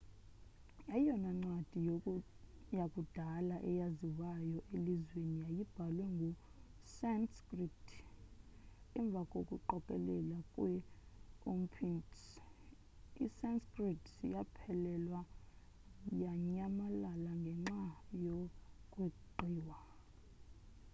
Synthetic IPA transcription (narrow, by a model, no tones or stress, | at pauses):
ajɔnaŋ͡ǀwad̥ʱi | jakʼud̥ʱalaʔɛ̰jaziwajɔʔelizweniajib̥ʱalwɛŋɡʱusanskriptʰ | ɛɱb̪vʱakʼokʼuǃɔkʼɛ̰lɛlakʼwɛ | ompʰints | isanskʼritʰsijapʰɛlɛlwa | jaɲamalalaŋɡʱɛŋ͡ǁajokʼwiǃʱiːwa